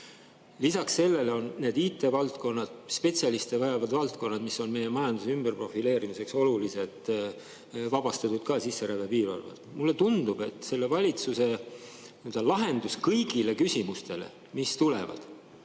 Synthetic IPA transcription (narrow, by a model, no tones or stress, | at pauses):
lisɑksse̞lːe̞leo̞nne̞ːd̪iːt̪ːˑe̞ːvɑlt̪ko̞nːɑd̪̥spe̞t̪ʲsʲjɑlist̪e̞vɑjɑvɑd̪vɑlt̪ko̞nːɑd̪misːo̞nme̞je̞mɑjɑnd̪̥usymb̥erpro̞file̞ːɾimise̞kso̞lulise̞d̪ˑ | vɑb̥ɑst̪ɑt̪ud̪̥̚kɑːsisːeɾæv̥epiːɾɑ̰lvɑ̰t̪mulːe̞t̪und̪̥ub̥e̞t̪ːˑse̞lːe̞vɑlʲit̪suse̞nøld̪ɑlɑɦe̞nd̪̥uskɤjɡile̞kysʲimust̪e̞lḛ | mist̪ule̞̰vɑ̰d̪̥